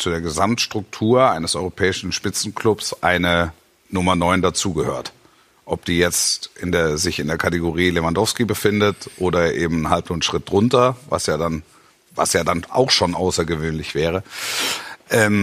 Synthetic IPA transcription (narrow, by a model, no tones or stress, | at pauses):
t͡sudeːɐɡəzamtʃtʁ̥ʊk̚tʰuːɐaɪnəsʔɔʏʁopʰɛːɪʃn̩ʃpɪt͡sn̩kʰlʊpsʔaɪnə | nʊmɐnɔʏndat͡suːɡəhøːɐt | ʔɔp̚d̥iːjɛt͡stʔɪndeːɐzɪçɪndeːɐkʰateɡoʁiːlevandɔfskibəfɪndətʔoːdɐʔḛːbm̩nhalpnʊːn̩ʃʁ̥ɪt̚d̥ʁʊntɐva̰sjaːdan | va̰sjaːdanʔa̰ʊxʃoːnʔaʊsɐɡəvøːnlɪçv̥ɛːʁ̞ə | ʔɛːm